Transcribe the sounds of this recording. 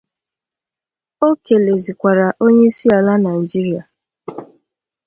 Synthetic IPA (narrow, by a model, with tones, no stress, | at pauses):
o˦ke˨le˨zi˨kʷa˨ɾa˨ʔo˦ɲe˦i˦si˦a˨la˦na˨i˨d͡ʒi˦ɾi˦a˨